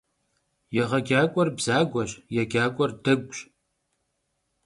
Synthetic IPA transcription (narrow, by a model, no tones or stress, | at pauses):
jɛʁɐɡʲaːkʷʼɔrbz̥aːɡʷɐɕjɛɡʲaːkʷʼɔrdɐɡʷɕʼ